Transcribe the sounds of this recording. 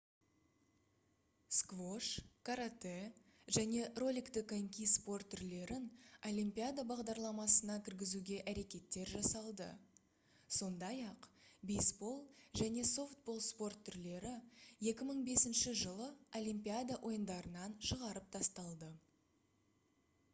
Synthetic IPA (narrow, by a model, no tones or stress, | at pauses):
skvo̞ʂkʰaɾat̪e | ʒæne̞ro̞lʲikt̪ɪkeŋkʲispo̞rt̪ʰːʏɾle̞ɾɪno̞lʲˠimpʲijad̪abɑʁd̪ɑɾlˠɑmɑsənɑkʲʰɪɾɡʲɪzuɡʲe̞ʔæɾe̞kʲe̞t̪ːe̞ɾʒɑsɑlˠd̪ə̰ | so̞nd̪ɑjɑqbejsbo̞lˠʒæne̞so̞ft̪̚bo̞lˠspo̞rt̪ʰːʏɾle̞ɾɪje̞kʲɪməɴbe̞sɪnʃɪʒəlˠəolʲˠimpʲijad̪aʔo̞jənd̪ɑɾənɑnʃəʁɑɾəp̚t̪ʰɑst̪ɑlˠd̪ə